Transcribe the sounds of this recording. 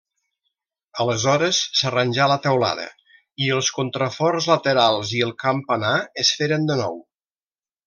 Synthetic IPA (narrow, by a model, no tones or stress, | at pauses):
ələzɔɾəsːərənʲʒalət̪əwla̰ðə̰ | iəlˠskont̪ɾəfɔrzlət̪əɾalˠziəlˠkampənaəsfeɾənd̪ənɔ̰w